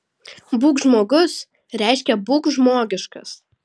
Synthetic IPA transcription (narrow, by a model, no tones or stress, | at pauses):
buːkʒmoːɡʊs | ɾʲɛˑɪʃʲkʲɛbuːkʒmoːɡʲɪʃkɐs